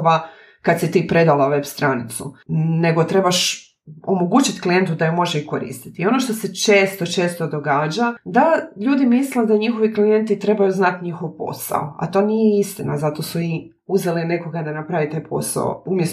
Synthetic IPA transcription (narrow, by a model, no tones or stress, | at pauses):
ʋa | kad̪sit̪iːpɾe̞d̪alˠaʋe̞bst̪ɾanit̪sune̞ɡo̞t̪ɾe̞baʃ | omo̞ɡut͡ʃit̪klije̞nt̪ud̪ajumo̞ʒeiko̞ɾḭːst̪i̥t̪io̞no̞ʃt̪o̞se̞t͡ʃeːst̪o̞t͡ʃe̞ːst̪o̞d̪o̞ɡaːd͡ʑad̪aʎuːd̪imisled̪aɲixo̞ʋiklije̞nt̪it̪ɾe̞bajuznat̪ɲixo̞ʋpo̰sa̰o̰a̰t̪o̞ːnijeist̪ina̰zat̪o̞sui | uzeline̞ko̞ɡad̪anapɾaʋit̪ajpʰo̞̰sa̰o̰umjes